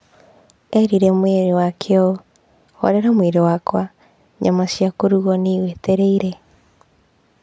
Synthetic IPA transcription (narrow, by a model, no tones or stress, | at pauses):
ɛɾiɾɛmweɾewakʰeɔ | ɔ̰ɾeɾamweɾewakwa | ɲamasjakoɾuɣɔneɣweteɾeiɾɛ